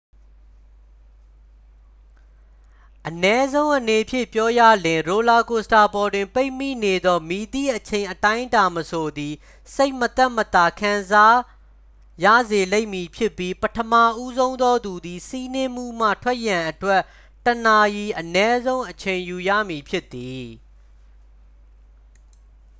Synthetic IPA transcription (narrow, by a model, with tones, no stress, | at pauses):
ʔənɛ˦zõ˦ʊ̃ʔəne˨pʰjɪ̰̃˦˨pjɔ˦ja̰˦˨lɪ̃˨ɹo˨la˨ko˨sta˨pɔ˨dwɪ̃˨mpe˦ɪmḭ˦˨ne˨d̪ɔ˦mi˨d̪ḭ˦˨ʔət͡ɕʰẽ˨ɪ̃ʔətã˦ɪ̃ta˨məsʰo˨d̪i˨ | se˦ɪʔmət̪ɛ˦˨ʔmət̪a˨kʰã˨nza˦ | jä̰˦˨ze˨le˦ɪʔmi˨pʰjɪ˦pːji˦pətʰəma˦˨ʔu˦zõ˦ʊ̃nd̪ɔ˦d̪u˨d̪i˨si˦nɪ̃˦m̥ṵ˦˨m̥ä̰˦˨tʰwɛ˦ʔjã˨ʔətwɛ˦˨ʔ | təna˨ji˨ʔənɛ˦zõ˦ʊ̃ʔət͡ɕʰẽ˨ɪ̃ju˨ja̰˦˨mi˨pʰjɪ˦ʔt̪ːi˨